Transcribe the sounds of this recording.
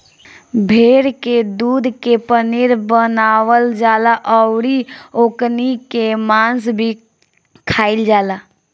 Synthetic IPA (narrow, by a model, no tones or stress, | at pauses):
bʱeːɽked̪uːd̪ʱkepənɪɾbənaːwəld͡ʒaːlaʔɔʊɽioːknikemãːnsbʱi | kʰaːɪld͡ʒaːlaː